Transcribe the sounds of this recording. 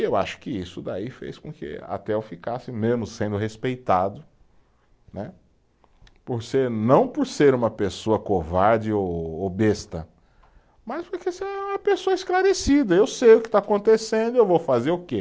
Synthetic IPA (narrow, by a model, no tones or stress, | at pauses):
ewa̰ʃʊ̥kɪisʊd̪a̰ifḛjskõkɪ̰a̰t̪ɛofikasɪmezmʊssẽnd̪ʊɦespejt̪ad̪ʊ | nɛ | poɾseɾnɐ̃w̃poɾseɾũmɐpesoɐkovaɾd͡ʒɪowobest̪ɐ | maspoɾkeseɾɛũmɐpesoɐisklaɾesid̪ɐewsejʊkɪ̥t̪aakõnt̪esẽnd̪ʊewvowfazeɾʊke